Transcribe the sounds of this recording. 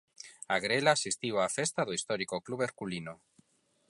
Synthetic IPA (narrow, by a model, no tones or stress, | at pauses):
aɣɾelasist̪iwafest̪aðoist̪ɔɾikokluβeɾkulino